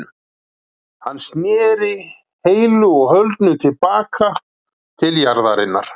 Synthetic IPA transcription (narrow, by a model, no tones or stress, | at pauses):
hanːsnjɛːɾɪ | heːjlʏɔɣhœlt̪nʏt̪ʰɪlpaːkʰa | t̪ʰɪljaɾðaɾɪnːa̰ɾ̥